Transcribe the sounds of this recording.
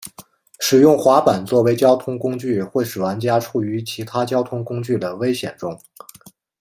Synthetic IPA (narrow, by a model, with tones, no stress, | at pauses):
ʂɻ̩˨˩jʊ˥˩ŋxwa˧˥pa˨˩nt͡swɔ˥˩we˧˥ɪt͡ɕjɑ˥ʊt̪ʰʊ˥ŋkʊ˥ŋt͡ɕy˥˩xwe˥˩ɪʂɻ̩˨˩wa˧˥nt͡ɕja˥ʈ͡ʂʰu˥˩y˧˥t͡ɕʰi˧˥t̪ʰa˥t͡ɕjɑ˥ʊt̪ʰʊ˥ŋkʊ˥ŋt͡ɕy˥˩d̪ə˩we˥ɪɕjɛ̰˨˩nʈ͡ʂʊ˥ŋ